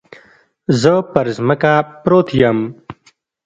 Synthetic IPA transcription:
zəpɐɾzmɐkaːpɾoːt̪ʰijam

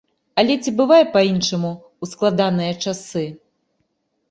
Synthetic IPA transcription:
ɐlʲɛt͡sʲibɨvajɛpainʂɐmu | usklˠad̪anɨjɐt͡ʂasɨ

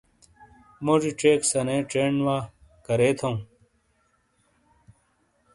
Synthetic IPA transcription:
mod͡ʑiʈ͡ʂeːksɐneːʈ͡ʂeːɳwaː | kɐɾeːt̪ʰɐũ

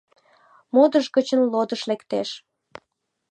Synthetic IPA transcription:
mod̪əʒɣət͡ɕənlod̪əʃlekt̪eʃ

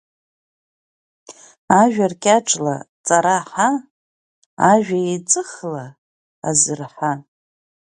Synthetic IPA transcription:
aʒᶣarkʲʼaʈ͡ʂʼla̰t͡sʼaɾaħa | ʒᶣajet͡sʼɨχla̰ː | zɨrħa

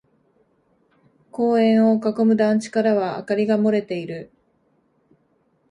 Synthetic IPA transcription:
ko̞ːẽ̞ɰ̃o̞kako̞mɯ̟d̪ãɲt͡ɕi̥kaɾaβa̰ːkaɾʲiɡamo̞ɾe̞t̪e̞iɾɯ̟

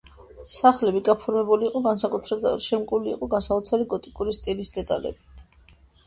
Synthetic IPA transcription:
saχlɛbiɡapʰɔɾmɛbuliːqʼɔɡansakʼut̪ʰɾɛʃɛmkʼulḭːqʼɔɡansaɔt̪sʰaliɡɔt̪ʼikʼuɾist̪ʼilisd̪ɛt̪ʼalɛ̰bit̪ʰ

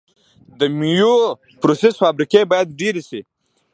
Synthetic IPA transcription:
d̪əmijo | pɾosesfabɾikebɑjad̪ɖeɾisi

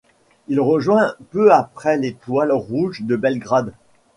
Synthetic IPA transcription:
ilʁəʒwɛ̃pøapχɛlet̪walʁuʒd̪əbɛlɡʁad̪

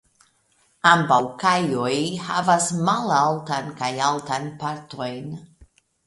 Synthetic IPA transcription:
ambawkajojhavasmalaltankajaltanpaɾto̞jn

